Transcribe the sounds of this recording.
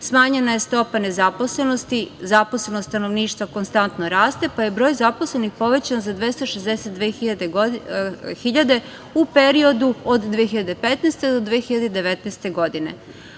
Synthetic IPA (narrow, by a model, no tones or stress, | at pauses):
smaːɲe̞naje̞st̪o̞pane̞zapo̞sle̞no̞st̪izaposlenost̪t̪anoʋniːʃt̪ʋako̞nst̪ant̪no̞ɾaːst̪e̞paje̞bɾoːjzapo̞sle̞nixpo̞ʋe̞t͡ɕanzad̪ʋest̪oʃezd̪eset̪̚d̪ʋeːid̪e | xiʎad̪e̞ | upeɾio̞d̪uod̪d̪ʋejexiʎad̪epet̪nest̪e̞d̪od̪ʋeexiʎad̪ed̪eʋet̪neːst̪e̞ɡo̞d̪ine̞̰